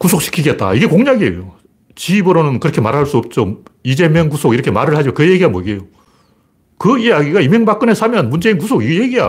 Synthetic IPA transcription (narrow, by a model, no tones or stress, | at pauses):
kus̬ʰok̚ɕ͈ʰi̥kʰiɡe̞t̚t͈a̰iɡe̞koŋɲaɡiejo | t͡ɕiːbɯɾonɯnkɯɾʌkʰemaɾɦaɭs͈uʌp̚t͡ɕ͈oid͡ʑe̞meŋkusʰoɡiɾʌkʰemaɾɯɭhad͡ʑoakɯje̞ɡiɡamwoɡejo | kɯijaɡiɡaime̞ŋbak͈ɯnesʰamjʌnmund͡ʑe̞inkusʰoɡiɡeje̞ɡia̰